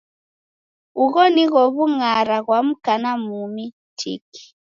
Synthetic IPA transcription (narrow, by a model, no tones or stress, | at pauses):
uɣɔniɣɔβuŋaɾaɣwam̩kanamumi | tʰḭki̥